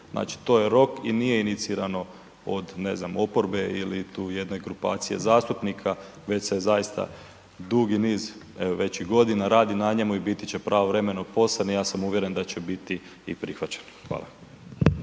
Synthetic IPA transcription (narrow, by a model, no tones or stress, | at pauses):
znʔa̰ːt͡ʃi̥t̪o̞je̞ɾo̞kinije̞init̪siɾano̞ | o̰d̪neznamo̞po̞ɾbe̞ilit̪uːje̞d̪no̞jɡɾupa̰ːt̪sije̞̰zaːst̪upnikʰa | ʋe̞t͡ɕsezajist̪a̰ | d̪uɡiniːz | eʋoʋe̞t͡ɕiɡo̞d̪inaɾaːd̪inaɲemuibit̪it͡ɕe̞pɾʔaːʋoʋɾe̞me̞no̞po̞sanijaːsamuʋje̞ɾe̞nd̪at͡ɕe̞bit̪i | ḭpɾixʋat͡ɕe̥nxʋa̰ːlˠa̰